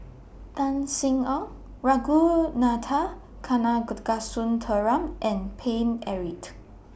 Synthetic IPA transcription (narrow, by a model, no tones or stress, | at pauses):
tansiŋɔ | ɹaɡunatʰa | kʰanaɡud̚kasuntʰəɹamʔɛ̃npʰenɛɹit